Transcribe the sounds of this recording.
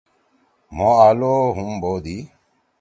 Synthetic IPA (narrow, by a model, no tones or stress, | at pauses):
moːaːloːɦumboːd̪i